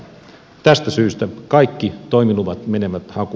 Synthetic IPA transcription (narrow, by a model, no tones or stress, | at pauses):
t̪æst̪æsyːst̪ækɑikːit̪oimiluʋɑt̪mene̞ʋæt̪hɑku